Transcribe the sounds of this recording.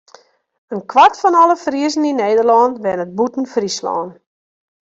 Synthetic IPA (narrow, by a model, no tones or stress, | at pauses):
ənkʰʋartfɔnɔləfriəzn̩ineːdərlɔːntʋɛnət̚butn̩frislɔ̰ːn